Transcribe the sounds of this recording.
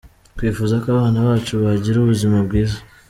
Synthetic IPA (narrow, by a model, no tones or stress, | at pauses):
kwifuːzakoaβaːnaβaːt͡ʃuβaɟiɾuβuzimabɡiːza